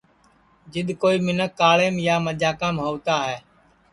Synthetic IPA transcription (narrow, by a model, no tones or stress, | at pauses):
d͡ʒɪɗ̪koːiːmɪnəkːaːɭeːmjaːməʄaːkãːmɦoːt̪aːɦɛː